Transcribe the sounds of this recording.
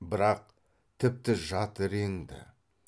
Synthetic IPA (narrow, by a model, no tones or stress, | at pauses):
bɪɾɑq̚ | t̪ʰɪp̚t̪ɪʒɑt̪əɾeŋd̪ɪ̰